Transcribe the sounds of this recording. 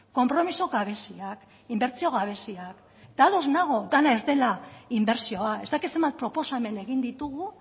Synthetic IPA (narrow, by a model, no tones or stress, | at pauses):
ko̞mpɾo̞misoɣaβ̞e̞siak | imbe̞ɾt͡sio̞ɣ̞aβ̞e̞siak | d̪aðo̞znaɣ̞o̞d̪anae̞zd̪e̞laimbe̞ɾsio̞ae̞zd̪akit̪se̞mbat̪̚pɾo̞po̞same̞ne̞ɣ̞ind̪it̪uɣu